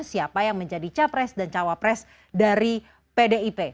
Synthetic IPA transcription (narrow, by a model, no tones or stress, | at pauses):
siapajaŋməɲd͡ʒadit͡ʃapɾɛsdant͡ʃawapɾɛs | daɾi | pedeipe